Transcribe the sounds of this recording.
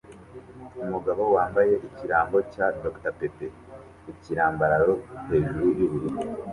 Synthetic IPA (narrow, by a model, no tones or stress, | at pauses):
umuɡaβo̞waːmbaje̞ʔiciɾaːmbo̞cado̞ktape̞pe | iciɾaːmbaɾaɾo̞he̞ːʒuɾuɾjuβuɾi